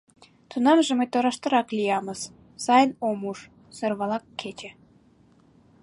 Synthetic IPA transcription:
t̪unɑmʒeməjt̪oɾɑʃt̪ə̆ɾɑklijɑməz | sɑjənomuʃ | sərβɑlɑkʰːet͡ɕĕ

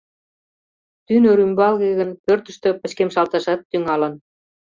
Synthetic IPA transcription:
t̪ynøɾymbɑlɣeɣə̆npørt̪ə̆ʃt̪ø̆pə̆t͡ɕkemʃɑlt̪ɑʃɑt̪ːyŋɑlɤ̆n

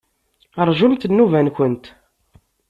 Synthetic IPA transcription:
əɾˤʒult̪ənːuvænkʷənt̪

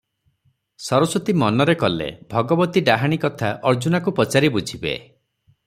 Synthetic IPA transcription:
sɔɾɔsɔt̪imɔnɔɾekɔlḛbʱɔɡɔbɔt̪iɖaɦaɽ̃ikɔt̪ʰaʔɔɾd͡ʒunakupɔt͡ʃaɾibud͡ʒʱibḛ

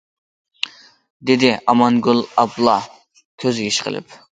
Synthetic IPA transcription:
d̪ɪd̪ɪʔɑmɑnɡʲulˠɑblˠɑ | kʲʰøzɡʲiʃqʰə̰lˠɨ̰p

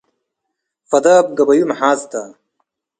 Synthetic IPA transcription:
fɐd̪aːb̚ɡɐbɐjumħaːst̪ɐ

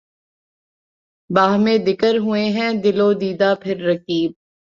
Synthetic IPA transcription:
baːɦmẽd̪ɪkəɾɦʊeɦɛ̃d̪ɪloːd̪iːd̪apʰɪɾːɐkiːb̚

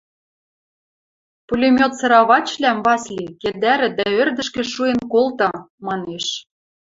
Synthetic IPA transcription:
pulʲemʲot̪sɤ̆ɾɑβɑt͡ɕlæmβɑslʲiked̪æɾɘ̆d̪æørd̪ɘ̆ʃkɘ̆ʃuenkolt̪ɑ | mɑneʃ

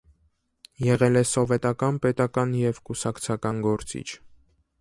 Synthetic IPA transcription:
jɛʁɛlɛsɔvɛt̪ɑkɑnpɛt̪ɑkɑnjɛvkusɑkt͡sʰɑkɑnɡɔɾt͡sḭt͡ʃʰ

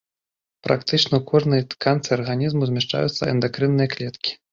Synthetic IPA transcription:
pɾa̰kt̪ɨt͡ʂnɐukʰɔʐnɐjkʰant̪sɨarɣanʲizmuzʲmʲiʂt͡ʂa̰jṵt̪sɐ̰ɛ̰nd̪akɾɨnːɨjɐklʲɛt̪kʲi̥

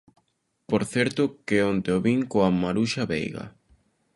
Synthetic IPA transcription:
poɾθɛɾt̪ʊkeont̪eoβiŋkoamaɾuʃaβḛjɣɐ̰

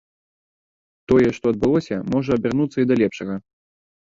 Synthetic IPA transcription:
t̪ɔjɛʂt̪ɔɐd̪̚bɨlˠɔsʲɐmɔʐɐɐbʲɛrnut̪sːɐid̪ɐlʲɛpʂɐɣɐ

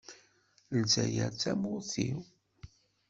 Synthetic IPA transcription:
lzæjæt͡sːæmʊθiw

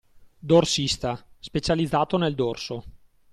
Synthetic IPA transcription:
d̪orsist̪aspet͡ʃalid̪zːaːt̪oneld̪orso

